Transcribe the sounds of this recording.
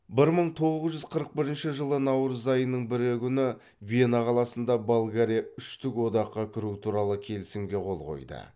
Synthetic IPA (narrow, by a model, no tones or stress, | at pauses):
bɪɾməɴt̪ʰo̞ʁəzʒʏzqʰəɾəq̚bɪɾɪnʃɪʒəlˠənɑwɾəzɑjənːəɴbɪɾekʲʏnɪ | vʲienɑqʰɑlˠɑsənd̪ɑbolˠɡaɾʲijaʏʃt̪ʏkwo̞d̪ɑqːɑkʲʰɪɾut̪ʰuɾɑlˠəkʲʰe̞lɪsɪmɡʲe̞qʰo̞lˠʁo̞̰jd̪ə̰